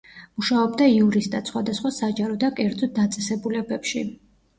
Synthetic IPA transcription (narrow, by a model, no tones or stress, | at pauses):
muʃaɔbd̪aiuɾist̪at̪sχwad̪asχwasad͡ʒaɾɔd̪akʼɛɾd̪zɔt̪̚d̪at̪sʼɛsɛbulɛbɛpʃi